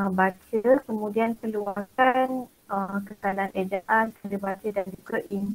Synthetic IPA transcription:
bat͡ʃəkəmũdiankəluakan | əkəkalaanʔed͡ʒaʔankaləbat͡ʃədand͡ʒuɡaʔin

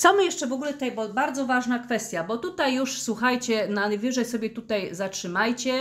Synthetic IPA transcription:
sɔmɘjɛʂt͡ʂɛvɔɡulɛt̪ɛjbɔbaɾd̪zɔvaʐnakfɛst̪ʲjabɔt̪ut̪ajːuʂswuxajt͡ɕɛnanvʲɘʐɛjsɔbʲjɛt̪ut̪ajzatʂɘmajt͡ɕɛ

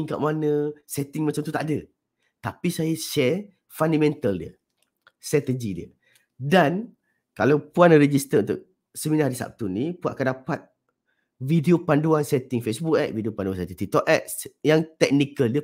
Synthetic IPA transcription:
iŋka̰ʔmanə̃sɛt̪ɪŋmat͡ʃamt̪ut̪aʔadə | t̪apisajəʃɛ | fandamɛ̃nt̪əldiə | st̪at̪əd͡ʒidiə̰ | dan | kalawpuanɾəd͡ʒist̪ərunt̪ʊ̰k̚ | səminaɦaɾisa̰p̚t̪unipuat̪ʔakandapat̪̚ | videopanduansɛt̪ɪŋfesbukɛʔ̚videopanduansat̪iŋt̪it̪ɔʔ̚ʔɛʔ̚jaŋt̪ɛk̚nikəldiə

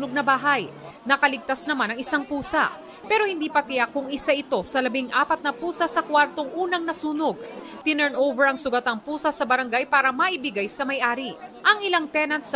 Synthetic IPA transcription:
noɡ̚nɐbaːɦɐjnɐkɐlɪɡ̚t̪asnɐmanɐŋɪsaŋpuːsɐ̰ | pɛːɾo̞hɪnd̪iːpɐt̪ɪjakːʊŋɪsaʔɪt̪o̞sɐlɐbɪŋʔaːpɐt̪̚nɐpuːsɐsɐkwaɾt̪o̞ŋʔuːnɐŋnɐsuːnoɡ̚t̪ɪnɛɹnʔowvɛɹɐŋsʊɡɐt̪ɐŋpuːsɐsɐbɐɾɐŋɡajpaːɾɐmɐʔɪbɪɡajsɐmɐjʔaːɾiʔɐŋɪlaŋt̪ɛnɐnt̪̚s

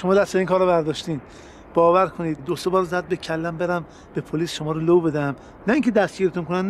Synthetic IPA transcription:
ʃomɒːd̪æst̪beiːŋkʰɒːɾobæɾd̪ɒːʃt̪iːn | b̥ɒːvæɾkʰoniːd̪ːosebɒːɾzæd̪̚becʰælːæmbe̞ɾæm | b̥epʰoliːsʃomɒːɾolobe̞d̪æm | næiːŋcʰed̪æst̪ɡiːɾet̪unkʰonæn

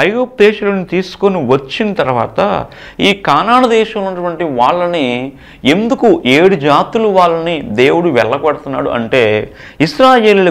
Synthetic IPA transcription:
ɐjɡoːp̚d̪ɛːʃɐloːnit̪iːsu̥koniʋɐt͡ʃːinɐt̪ɐɾʋa̰ːt̪ɐ̰ | iːkaːnaːɳɐd̪ɛːʃɐmlonːɐʈʋɐɳʈiʋaːɭːɐni | e̞nd̪ukuʔeːɽud͡ʒaːt̪uluʋaːɭːɐnid̪e̞ːwuɽuʋɛɭːɐɡɐɽɐt̪unːa̰ːɽṵʔɐ̰ɳʈe̞ː | iʃɾaːje̞ːlːlɐ

